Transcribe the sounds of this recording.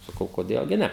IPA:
sɐˈkɐʊ koːˈdʲeːlˠ ɡʲɪ ˈnʲɛ

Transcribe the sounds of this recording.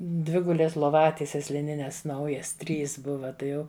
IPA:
ˈdʲʋʲɪɡʊlʲeːs lˠoːˈʋɑːtʲiɛsʲɛs lʲɪˈnʲɪnʲɛs ˈnɐʊjɛs ˈtʲrʲiːs ˈbʊʋɐ ˈtɐɪ ˈjɛʊ

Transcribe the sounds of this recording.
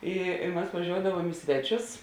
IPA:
ˈɪ ɪ mɐs ʋɐˈʒʲoːʊdɐʋuɔm ɪ ˈsʲʋʲæːˌt͡ʃʲʊs

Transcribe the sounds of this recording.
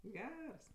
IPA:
ˈɡʲɛrs

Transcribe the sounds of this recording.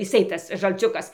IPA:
jɪˈsɐɪ ˈtɐs ʒɐlʲˈt͡sʲʊkɐs

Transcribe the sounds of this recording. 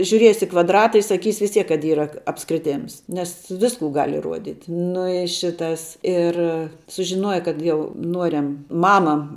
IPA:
ʒʲʊˈrʲiɛsʲɪ ɪ kʋɐdˈrɑːtɐ ɪ sɐˈkʲiːsʲɪ ʋʲɪs ˈtʲiɛk kɐt ˈiːrɐ ɐpskrʲɪˈtʲeːms nʲɛs ˈʋʲɪskʊ ɡɐlʲ ɪˈruɔdʲiːtʲ ˈnʊ ɪ ˈʃʲɪtɐs ɪr sʊʒʲɪˈnuɔjɛ ˈkɐt jɛʊ ˈnuɔrʲɛm ˈmɑːmɐ

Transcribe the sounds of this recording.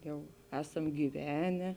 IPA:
ˈjɛʊ ˈæːsɐm ɡʲiːˈʋʲæːnʲɛ

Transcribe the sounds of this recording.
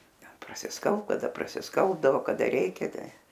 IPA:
ˈtʲɛn prɐsʲɪsˈkɐlˠpt kɐˈdɐ prɐsʲɪsˈkɐlˠbdɐʋoː kɐˈdɐ ˈrʲɛɪkʲɛ ˈtɐɪ

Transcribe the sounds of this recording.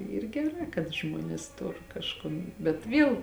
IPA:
ˈiːr ɡʲɛˈrɑː kɐt ˈʒmuɔnʲeːs ˈtoːr kɐʃˈkoːn bʲɛt ˈʋʲiɛlˠ

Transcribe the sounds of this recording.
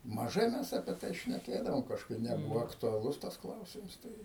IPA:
mɐˈʒɐɪ mʲɛs ɐpʲiɛ ˈtɐɪ ʃʲnʲɛˈkʲeːdɐʋoːm kɐʃˈkɐɪp nʲɛˈbʊʋoː ɐktʊɐˈlˠʊs tɐs ˈklˠɐʊsʲɪms ˈtɐɪ

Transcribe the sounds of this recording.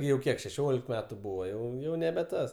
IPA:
jɛʊ ˈkʲiɛk ʃʲɛˈʃʲoːlʲɪk ˈmʲæːtʊ ˈbuːʋɐ ˈjɛʊ ˈjɛʊ nʲɛbʲɛ ˈtɐs

